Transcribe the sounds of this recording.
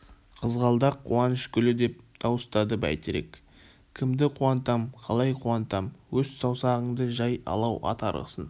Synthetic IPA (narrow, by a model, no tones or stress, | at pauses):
qʰəzʁɑlˠd̪ɑqʰːuɑnəʃkʲʏlɪd̪e̞p̚d̪̥ʰɑwəst̪ɑd̪əbæ̰jt̪eɾe̞̰k | kʲʰɪmd̪ɪqʰuɑnt̪ɑmqʰɑlˠɑjqʰuɑnt̪ɑmwɵzsɑwsɑʁəɴd̪əʒɑjɑ̰lˠɑwʔɑ̰t̪ɑ̰ɾʁə̰sən